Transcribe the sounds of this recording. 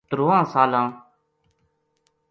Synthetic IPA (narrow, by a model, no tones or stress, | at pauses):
t̪ɾoːãːsaːlãː